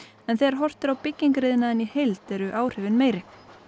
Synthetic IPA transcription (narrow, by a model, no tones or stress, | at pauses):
ɛnθɛɛɾɦɔr̥t̪ɪɾawpɪcːiŋkɾɪːðɪnaðɛnihejlt̪ɛɾʏʔaːwr̥ɪvɪnmeːjɾɪ